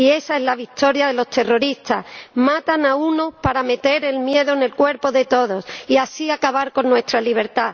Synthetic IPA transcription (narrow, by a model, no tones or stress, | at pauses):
ie̞sae̞zlaβ̞ik̚t̪o̞ɾjaðe̞lo̞st̪ero̞ɾist̪asmat̪anauno̞paɾame̞t̪e̞ɾe̞lmje̞ðone̞lkwe̞ɾpo̞ðe̞t̪o̞ðo̞siasiakaβ̞aɾko̞nːwe̞st̪ɾaliβ̞e̞ɾt̪a